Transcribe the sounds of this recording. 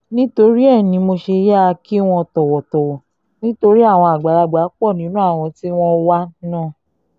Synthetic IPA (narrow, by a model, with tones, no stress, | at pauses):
nĩ˦to˧ɾi˦ɛ˦˨nĩ˧mo˧ʃe˧ja˦˧ki˦w̃ɔ̃˧tɔ˨wɔ˨tɔ˨wɔ˨ | nĩ˦to˧ɾi˦a˦˨w̃ɔ̃˧a˨ɡ͡ba˨la˨˧ɡ͡ba˨˦k͡pɔ˦˨nĩ˨˦nũ˦a˦˨w̃ɔ̃˧ti˦w̃ɔ̃˦wa˦nãː˦˨